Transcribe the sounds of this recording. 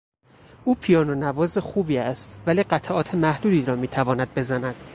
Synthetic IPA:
uːpʰijɒːnonævɒːze̞xuːbiːæst̪væliːɢæt̪ʰʔɒːt̪ʰemæhd̪uːd̪iːɾɒːmiːt̪ʰævɒːnæd̪̚be̞zænæd̪̥

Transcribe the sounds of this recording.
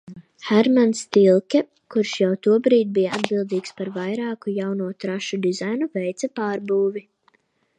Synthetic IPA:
hɛɾmanst̪ilˠkʲɛ | kuɾʃjawt̪uɔbɾiːt̪̚bijaa̰d̪bilˠd̪iːkspaɾvajɾaːkujawnuɔt̪ɾaʃud̪izajnuvɛjt̪sapaːɾbuːvʲi

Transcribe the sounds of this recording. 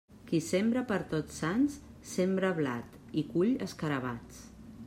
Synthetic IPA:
kisembɾəpəɾt̪ot͡ssans | sembɾəβla̰t̪ | ikuʎəskəɾəβat͡s

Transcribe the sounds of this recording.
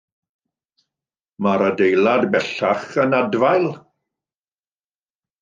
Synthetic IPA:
maɾədejlˠadbɛɬaχənadvajlˠ

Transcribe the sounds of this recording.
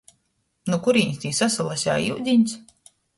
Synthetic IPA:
nukuɾiːɲʲst̪ʲiːsasalˠasʲa̰ːjiwd̪ʲiɲʲs

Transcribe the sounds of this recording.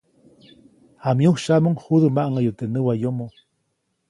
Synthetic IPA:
hamjuhʃamoŋhuðəmaʔŋajut̪eʔnəwajomo

